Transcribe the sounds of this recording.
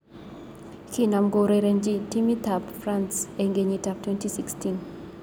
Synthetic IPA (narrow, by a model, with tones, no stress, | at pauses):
ki˦˨na˨mɡo˨ɾe˨ɾe˨nd͡ʒi˦ti˦mi˦t̪a˨pfra˦nse˨ŋɡe˨ɲi˨ta˨p̚twɛ˦nti˦si˦kstin